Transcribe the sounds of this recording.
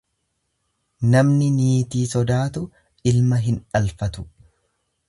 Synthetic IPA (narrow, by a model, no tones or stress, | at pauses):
nɐmnɪniːt̪iːsɔd̪aːt̪ʊ | ʔɪlmɐɦɪnᶑɐlfɐt̪ʊ̥